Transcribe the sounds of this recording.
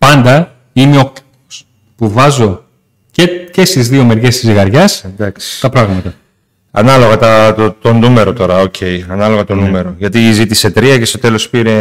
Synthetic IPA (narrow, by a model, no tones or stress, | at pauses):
pɐnd̪ɐ | ineok | s | puvɐzo̞ | cece̞st̪izðio̞me̞ɾʝe̞st̪izɣɐɾʝɐsd̪ɐksi̥t̪ɐpɾɐɣmɐt̪ɐ | ɐ̰nɐlo̞ɣɐt̪ɐt̪t̪o̞nume̞ɾo̞t̪o̞ɾɐo̞cʰe̞jɐnɐlo̞ɣɐt̪o̞nume̞ɾo̞ʝɐt̪izit̪ise̞t̪ɾiɐce̞st̪o̞t̪e̞lo̞spiɾe̞